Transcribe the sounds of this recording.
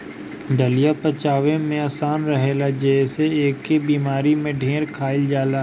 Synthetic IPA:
ɖəlɪjapət͡ʃaːʋẽmẽəːsaːnɾəɦeːlad͡ʒɛseeːkːebiːmaːɾimẽɖʱẽːɾkʰaːɪld͡ʒaːla

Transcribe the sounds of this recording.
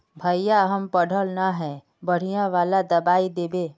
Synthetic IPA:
bʱəijaɦəmpəɽ̤ʱəlnaɦɛ | bəɽ̤ijãʋaːlad̪ɐbaːid̪eːbeː

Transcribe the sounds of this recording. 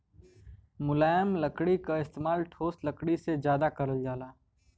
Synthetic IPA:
mʊlaːjəmləkɽikaɪst̪eːmaːlʈʰoːsləkɽisezjaːd̪akɐɾəld͡ʒaːlaː

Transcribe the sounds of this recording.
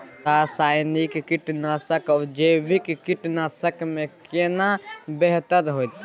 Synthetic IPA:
asaːɪnikkɪʈnaːsəkɔːɾd͡ʒeːʋɪkkɪʈnaːsəkmẽkenabeɦt̪əɾɦot̪

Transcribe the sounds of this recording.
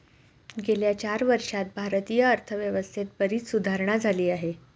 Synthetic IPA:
ɡeljat͡ɕaɾʋəɾʂat̪̚bʱaɾt̪ijəːɾt̪ʰəʋjəʋəst̪ʰet̪̚bəɾiːt̪sud̪ʱaɾɳ̃ad͡zʱaliːaɦe

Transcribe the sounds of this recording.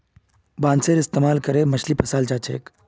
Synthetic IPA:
bãːnseɾɪst̪emaːlkəɾemɐʃʰlipɐsaːlt͡ʃaːt͡ʃʰḛːk

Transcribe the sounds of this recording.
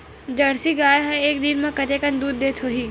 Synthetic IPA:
d͡ʒɐɽsiɡaːjɦɐ̃eːkd̪ɪnmẽkɐt̪eːkə̃nd̪uːd̪ːeːt̪ʰɦoːɦiː

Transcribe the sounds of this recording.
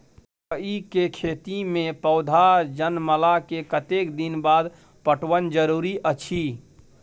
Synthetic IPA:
əikekʰet̪imẽpəʊd̪ʱad͡ʒənməlakekət̪ekd̪inbad̪ | pəʈwənd͡ʒəɾuɾiʔət͡ʃʰi

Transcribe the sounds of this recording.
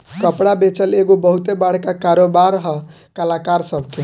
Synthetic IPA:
kəpɽabet͡ʃəleɡobəɦut̪ebaɽ̤kakaɾobaɾɦə | kalakaɾsəbʱke

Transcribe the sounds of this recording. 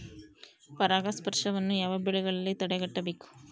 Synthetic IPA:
pɐɾaːɡɐspɐɾʂɐʋɐnːujaːʋɐbɛɭiɡɐɭɐlːit̪ɐɽɛɡɐʈːɐbeːkːu̥

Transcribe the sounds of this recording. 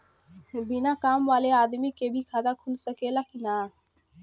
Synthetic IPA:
bɪnaːkaːmʋaːleaːd̪miːkeːbʱikʰaːd̪aːkʰʊlsəkelakʰinaː

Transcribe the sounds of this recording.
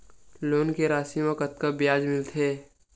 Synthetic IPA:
loːnkeɾaːsiəkət̪kabjaːd͡ʒmɪlt̪ʰeː

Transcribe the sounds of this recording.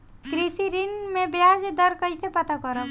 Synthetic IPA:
kɾisiɾɪnmẽbjaːd͡ʒd̪əɾkəɦisepɐt̪akəɾə

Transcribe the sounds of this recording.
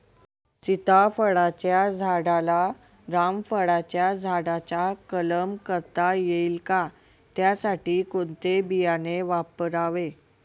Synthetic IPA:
sit̪afəɽat͡ɕjad͡zʱaɽala | ɾamfəɽat͡ɕjad͡zʱaɽat͡ɕakələmkəɾt̪ajeilka | t̪jasaʈiːkont̪ebijaneʋapɾaʋe

